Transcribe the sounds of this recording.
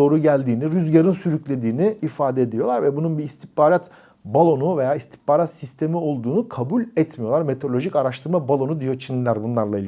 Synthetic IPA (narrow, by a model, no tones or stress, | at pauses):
o̞ːɾuɟælʲd̪iːniɾyzɟaɾɯnsyɾyclʲe̞d̪iːniifaːd̪ɛed̪ilʲijo̞lˠaɾvɛbununbiːst̪ʰihpaːɾat̪ | balˠo̞nuve̞jaːist̪ʰi̥hpaːɾat̪sist̪ʰe̞mio̞lˠd̪uːnukʰabulʲɛt̪mijo̞lˠaɾme̞t̪ʰoɾlʲo̞ʒicaɾaʃt̪ʰɯɾmabalˠo̞nud̪ijo̞t͡ʃʰinʲlʲæɾbunlˠaɾlˠailʲ